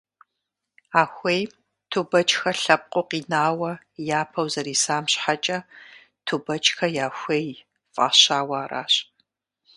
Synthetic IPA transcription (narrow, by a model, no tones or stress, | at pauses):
aːxʷej | tʰubɐt͡ʃʼxɐɬɐp̚qʷʼoqiːnaːwɐ | jaːpʰɐwzɐɾiːsaːmɕħat͡ʃʼɐ | tʰubɐt͡ʃʼxɐjaːxʷej | fʼa̰ːɕaːwaːra̰ːɕ